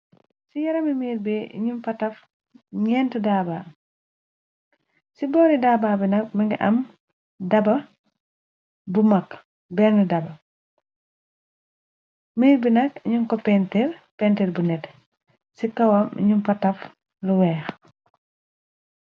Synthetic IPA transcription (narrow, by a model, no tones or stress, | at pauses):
sijɐɾɐmimiːɾbiḭɲumpɐtɐf | ɲɛːntudaːbaː | sibɔːɾidaːbaːbinɐk̚miŋɡiʔɐ̰m | dɐbɐ | bumɐk | bɛːnnidɐbɐ | miːɾbinɐk̚iɲuŋkɔpɛntiɾpɛntiɾbunɛt | sikɐwɐmḭɲumpɐtɐf | luwɛːx